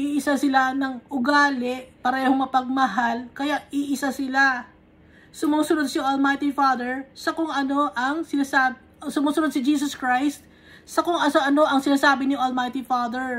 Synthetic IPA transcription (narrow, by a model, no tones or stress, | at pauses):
ʔiʔɪsasɪlanɐŋʔʊɡaːlɛʔpɐɾɛːhoŋmɐpɐɡ̚mɐɦalkɐjaʔʔiʔɪsasɪla | sʊmuːsʊnod̪̚sɪʔolmajt̪ɪfad̪ɛɹsɐkoŋʔɐno̞ʔɐŋsɪnasa | sʊmuːsʊnod̪̚sɪd͡ʒiːs̬oskɹajst̪̚ | sɐkʊŋʔɐoʔɐno̞ʔɐŋsɪnaːsaːbɪnɪʔolmajt̪ɪfaːd̪ɛɹ